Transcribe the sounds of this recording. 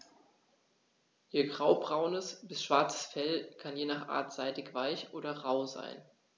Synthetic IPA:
jeːɡʁaʊbʁaʊnəsb̥ɪsʃv̥aɐt͡sə̥sfɛlkʰanjeːnaːχʔa̰ːɐtz̥aɪtɪçv̥aɪçʔoːɾɐʁaʊza̰ɪn

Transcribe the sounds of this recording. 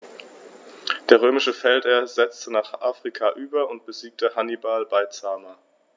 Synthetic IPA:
d̥eːɐʁ̞øːmɪʃəfɛlteːɐzɛt͡stənaːχʔaːfʁ̥ikʰaʔyːbɐʊntb̥əziːk̚təhanibalbaɪt͡saːmɐ

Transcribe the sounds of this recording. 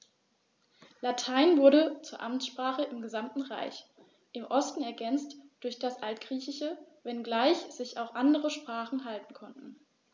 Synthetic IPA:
latʰaɪnvʊɐɾət͡suːɐʔamtsʃpʁ̥aːχəʔɪmɡəzamtn̩ʁa̰ɪç | ʔɪmʔɔstn̩ɛɐɡɛnt͡std̥ʊɐçd̥asʔaltɡ̥ʁiːçɪʃə | vɛnɡlaɪçz̥ɪçaʊxʔandəʁəʃpʁ̥aːχn̩ɦaltn̩kʰɔntn̩

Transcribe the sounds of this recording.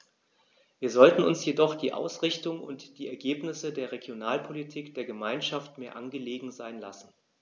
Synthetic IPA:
viːɐzɔltn̩ʊ̰nsjedɔχd̥iːʔa̰ʊsʁ̥ɪçtʊŋʊ̰ntd̥iːɛɐɡeːpnɪsədeːɐʁeɡjonaːlpʰolitʰiːkd̥eːɐɡəmaɪnʃaftmeːɐʔanɡəleːɡŋ̩zaɪnla̰sn̩

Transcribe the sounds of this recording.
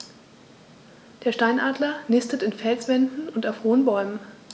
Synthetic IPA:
d̥eːɐʃtaɪnʔaːdlɐnɪstətɪnfɛlsv̥ɛndn̩ʊntaʊfhoːənbɔʏmən

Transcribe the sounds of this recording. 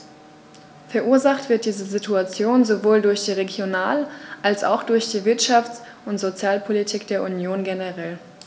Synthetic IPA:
fɛɐʔuːɐzaχtv̥ɪɐt̚d̥iːzəzituat͡sjoːnzovoːldʊɐçd̥iːʁeɡjonaːlʔalsʔa̰ʊxd̥ʊɐçd̥iːvɪɐtʃaft͡s | ʊntz̥ot͡sjaːlpʰolitʰiːkd̥eːɐʔunjoːnɡenəʁɛl

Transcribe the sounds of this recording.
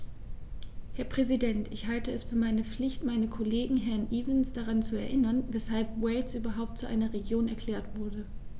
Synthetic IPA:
hɛɐpʁ̥ɛzidɛntʰɪçhaltəɛsfyːɐmaɪnəp͡flɪçtmaɪnəkʰoleːɡŋ̩ɦɛɐnʔiːvənsd̥aʁant͡suɛɐʔɪnɐnvɛshalpwɛlsʔyːbɐɦaʊp̚tt͡suʔa̰ɪnɐʁeɡjoːnɛɐkʰl̥ɛːɐtv̥ʊɐdə

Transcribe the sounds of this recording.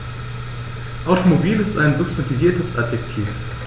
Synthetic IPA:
ʔaʊtomobiːlɪstaɪnzʊpstʰantiviːɐtəsʔatjɛktʰḭːf

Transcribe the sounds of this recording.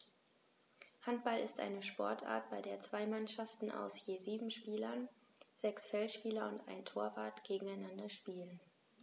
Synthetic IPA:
hant̚b̥alɪstʔa̰ɪnəʃpɔɐtʰʔa̰ːɐt̚b̥aɪdeːɐt͡sv̥aɪmanʃaftn̩ʔa̰ʊsjeːziːbm̩ʃpiːlɐn | z̥ɛksfɛlʃpiːlɐʊntʔa̰ɪntʰoːɐvaɐtɡ̥eːɡŋ̩aɪnandɐʃpiːlən

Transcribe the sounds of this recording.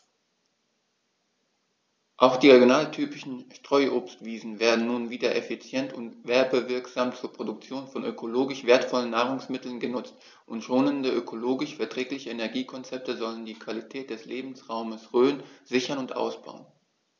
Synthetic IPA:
ʔaʊxd̥iːʁeɡjonaːltʰyːpɪʃn̩ʃtʁ̥ɔʏʔoːpstv̥iːzn̩veːɐdn̩nuːnviːdɐʔefit͡sjɛntʊntv̥ɛɐbəvɪɐkz̥aːmt͡suːɐpʁ̥odʊk̚t͡sjoːnfɔnʔøkʰoloːɡɪʃv̥eːɐtfɔlənːaːʁ̞ʊŋsmɪtl̩nɡənʊt͡st | ʔʊntʃoːnəndəʔøkʰoloːɡɪʃfɛɐtʁ̥ɛːklɪçəenɛɐɡiːkʰɔnt͡sɛp̚təzɔləndiːkv̥alitʰɛːt̚d̥ɛsleːbm̩sʁaʊməsʁøːənz̥ɪçɐnʊntʔa̰ʊsb̥a̰ʊən

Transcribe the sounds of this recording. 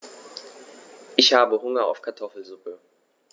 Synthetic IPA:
ʔɪçhaːbəɦʊŋɐa̰ʊfkʰaɐtʰɔfl̩zʊpə

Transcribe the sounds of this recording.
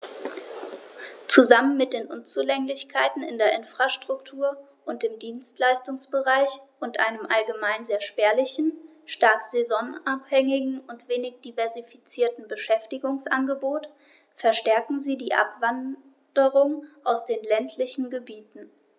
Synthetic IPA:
t͡suzamənmɪt̚d̥eːnʔʊnt͡sulɛŋlɪçkʰaɪtn̩ɪ̰ndeːɐʔɪnfʁ̥aʃtʁ̥ʊktʰuːɐ | ʔʊnt̚d̥eːmdiːnstlaɪstʊŋsb̥əʁaɪçʔʊntʔa̰ɪnəmʔalɡəmaɪnzeːɐʃpɛːɐlɪçn̩ | ʃtaɐtz̥ezɔnaphɛŋɪɡŋ̩ʔʊntv̥eːnɪçd̥ivɛɐzifit͡siːɐtn̩bəʃɛftɪɡʊŋsʔa̰nɡəboːt | fɛɐʃtɛɐkŋ̩ziːdiːʔa̰pv̥an | d̥əʁʊŋʔaʊsd̥eːnlɛntʰlɪçn̩ɡəbiːtn̩

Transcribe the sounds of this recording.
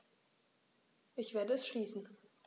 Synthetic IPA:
ʔɪçv̥eːɐdəɛsʃliːsn̩

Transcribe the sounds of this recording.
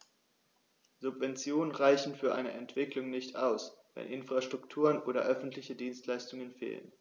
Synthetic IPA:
z̥ʊpv̥ɛnt͡sjoːnənʁaɪçn̩fyːɐʔa̰ɪnəʔɛntv̥ɪklʊŋnɪçtaʊsvɛ̰nʔɪnfʁ̥aʃtʁ̥ʊktʰuːʁənʔoːɾɐ̰ʔœfn̩tʰlɪçədiːnstlaɪstʊŋənfḛːlə̰n

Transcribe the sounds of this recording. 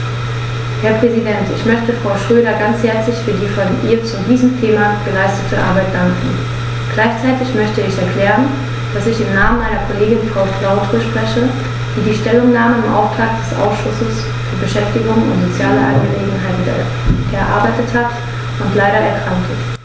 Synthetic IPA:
hɛɐpʁ̥ɛzidɛntɪ̰çmœçtəfʁ̥aʊʃʁ̥øːɾɐɡant͡shɛɐt͡slɪçfyːɐdiːfɔnʔḭːɐt͡sudiːzəm̩tʰeːmaɡ̥əlaɪstətʰəʔa̰ɐbaɪt̚d̥aŋkŋ̩ | ɡ̥laɪçt͡saɪtɪçmœçtəɪçɛɐkʰl̥ɛːʁən | d̥asɪçɪmnaːmənmaɪnɐkʰoleːɡɪnfʁ̥aʊkʰl̥aʊtʁəʃpʁ̥ɛçə | d̥iːdiːʃtɛlʊŋnaːməɪmʔa̰ʊftʁ̥aːk̚d̥ɛsʔa̰ʊsʃʊsəs | fyːɐbəʃɛftɪɡʊŋʊ̰ntz̥ot͡sjaːləʔa̰nɡəleːɡŋ̩ɦaɪtɛ̰ | ʔɛɐʔa̰ɐbaɪtəthat | ʊntlaɪɾɐɛɐkʁ̥aŋktʰə

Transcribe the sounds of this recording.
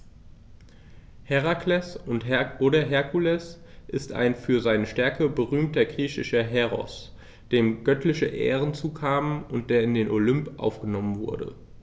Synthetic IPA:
hɛʁaklɛsʊntodɐɦɛɐkulɛs | ʔɪsta̰ɪnfyːɐzaɪnəʃtɛɐkʰəbəʁyːmtɐɡʁiːçɪʃɐɦɛʁɔ̰s | d̥eːmɡœtlɪçəʔɛ̰ːʁənt͡suːkʰaːmənʊnt̚d̥eːɐɪndeːnʔolʏmpʔa̰ʊfɡ̥ənɔmənvʊ̰ɐdə̰

